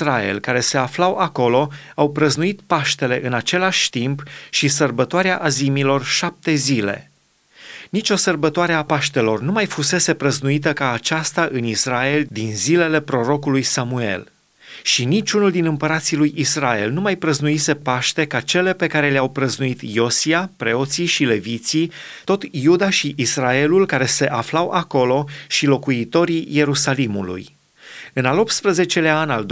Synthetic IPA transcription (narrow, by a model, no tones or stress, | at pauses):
sɾae̞̰lkaɾe̞se̞aflawʔako̞lo̞ | awpɾəznuit̪paʃt̪e̞le̞ʔɨnat͡ʃe̞laʃʲt̪impʃisərbət̪oaɾeaʔazimilo̞rʃap̚t̪e̞zile̞̰ | nit͡ʃʲo̞sərbət̪oaɾe̞apaʃt̪e̞lo̞rnumajfuse̞se̞pɾəznuit̪̬əkaːt͡ʃast̪aʔɨnisrae̞ld̪inzile̞le̞pɾo̞ɾo̞kulujsamue̞̰l | ʃinit͡ʃunuld̪inɨmpəɾat̪silujʔisɾae̞lnumajpɾəznuise̞paʃt̪e̞kat͡ʃe̞le̞pe̞kaɾe̞leawpɾəznuit̪jo̞siapɾe̞o̞t̪siʃile̞vit̪si | t̪o̞t̪jud̪aʃiʔisrae̞lulkaɾe̞se̞ʔaflawʔako̞lo̞ʃilo̞kuit̪o̞ɾije̞ɾusalimṵlṵj | ɨnalo̞p̚t̪spɾəze̞t͡ʃe̞laanʲald̪